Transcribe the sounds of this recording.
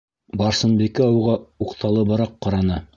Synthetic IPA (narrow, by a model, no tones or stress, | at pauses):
bɑɾsɤ̆nbikɘɒwʁɑuqt̪ʰɑlˠɤbɑɾɑqːɑɾɑnɑ